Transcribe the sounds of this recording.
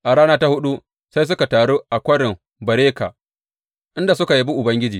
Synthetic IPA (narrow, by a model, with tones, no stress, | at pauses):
ʔa˨ɽaː˦naː˦ta˦hʊ˦ɗu˦ | sa˦js̬ʊ˦ka˨taː˨ɽoː˦ʔa˨kʷɐ˦ɽɪ˨m | bɐ˨ɾeː˦ka̰˨ | ʔɪ˦nda˨sʊ˦ka˨ji˦bu˦ʔʊ˨bɐ˦ŋɡʲɪ˦d͡ʒiː˨